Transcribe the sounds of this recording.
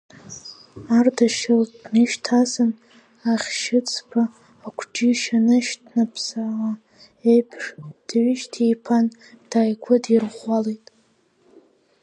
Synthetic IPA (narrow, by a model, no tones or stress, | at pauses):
ardaʃɪldnɨʃtʰasɨn | aχʲʃɪt͡sʼʰpʰaː | kʷʰd͡ʒiʃanɨʃtʰnapʰsala | ejpʰʂd̥ɥɪʃtʰijpʰan | d̥aːjkʷʰʊdirʁʷaletʼ